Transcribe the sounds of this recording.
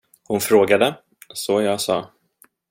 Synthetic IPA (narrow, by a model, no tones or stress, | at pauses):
hʊnfɾoːɡad̪ə | sɔjɑːɡsɑ̰ː